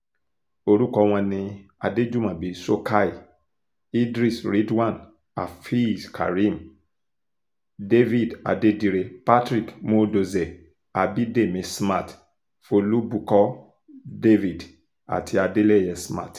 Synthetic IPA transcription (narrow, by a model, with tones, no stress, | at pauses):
o˧ɾu˦kɔ˧w̃ɔ̃˧nĩ˧a˨de˦d͡ʒu˦mã˨bi˨so˦ka˦i˨ | i˦dɾi˦˨sɾi˦dwã˦˨n | a̰˨fi˦skʰa̰˨ɾi˦m | de˦vi˦˨da̰˨de˦di˧ɾe˧pa˦tɾi˦˨kmo˦do˧ze˨ | a˨bi˦de˦˨mẽ˧sma˦˨t | fo˧lu˦bu˧kɔ˦ | de˦vi˦˨d | a̰˨tʰi˧a˨de˦lɛ˦˨jɛ˨sma̰˦˨t